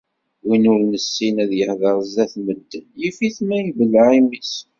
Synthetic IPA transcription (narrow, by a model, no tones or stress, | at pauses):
winʊɾnəsːinæðjəhðəɾˤəzæθməd̪ːənjifiθmæjəbəlʕimis